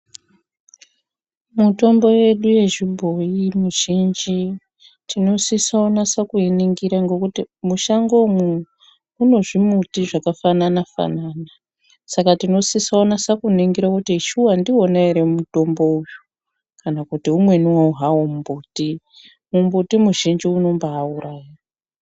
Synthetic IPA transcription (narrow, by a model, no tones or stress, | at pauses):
muto̞mbo̞je̞ɗuje̞ʐibʱo̞jimuʒind͡ʒi | tino̞sisaonasakueniŋɡiɾaŋɡo̞kutimuʃaŋɡo̞mu | uno̞ʐimutiʐakafananafa̰nana | sakatino̞sisaonasakuniŋɡiɾakutiʃuwandionaeɾemuto̞mbo̞uju | kanakutiumwe̞niwauɦawommbuti | mumbutimuʒind͡ʒiuno̞mbaːuɾaːjia